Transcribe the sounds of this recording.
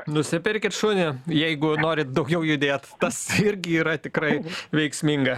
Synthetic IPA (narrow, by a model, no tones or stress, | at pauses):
nʊsʲɪpʲɪɾʲkʲɪt̪ʃʊnʲɪjɛɪɡʊnoːɾʲɪt̪̚d̪ɒʊɡʲɛʊjʊd̪ʲeːt̪t̪ɐsɪɾʲɡʲɪiːɾɐt̪ʲɪkɾɐɪʋʲɛɪksʲmʲiŋɡɐ